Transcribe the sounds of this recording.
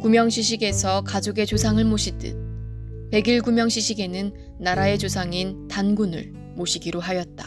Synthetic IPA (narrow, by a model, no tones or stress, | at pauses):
kumjʌŋɕʰiɕʰiɡe̞sʰʌkad͡ʑoɡe̞t͡ɕosʰaŋɯɭmoɕʰidɯ̰ | pe̞ɡiɭɡumjʌŋɕʰiɕʰiɡe̞nɯnː | aɾae̞t͡ɕosʰaŋintanɡunɯ̰ɭ | moɕʰiɡiɾoɦajʌt̚t͈ḁ̰